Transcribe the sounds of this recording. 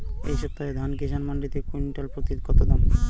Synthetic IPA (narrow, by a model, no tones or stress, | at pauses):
ḛjʃɔp̚t̪ːaed̪ʱankeʃanmaɳɖit̪ekinʈalpɾot̪id̪kɔt̪od̪ɔm